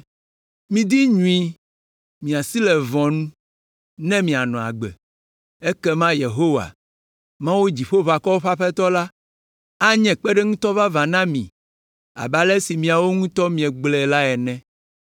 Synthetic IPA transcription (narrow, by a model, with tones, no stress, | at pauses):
mĩ˨d̪i˦ɲũ˦i˦ | mĩ˨a˨si˦lɛ˨vɔ̃˨nũ˦ | nɛ̃˦mĩ˨a˨nɔ̃˨a̰˨ɡ͡bɛ̰˨ | e˦kɛ˦mã˦je˨ɦo˦wa̰˨ | mã˦wu˦d͡ʑi˨ɸo˦va˨kɔ˦wo˦ɸa˦ɸɛ˦t̪ɔ˦la˦ | a˦ɲɛ̃˨k͡pɛ˦ɖɛ˦ŋũ˦t̪ɔ˦va˦va˨nã˦mḭ̃˨ | a̰˨ba˦lɛ˦si˨mĩ˨a˨wo˦ŋũ˦t̪ɔ˦mĩ˨ɛ̃˨ɡ͡blɛ˨la˦ɛ˨nɛ̃˦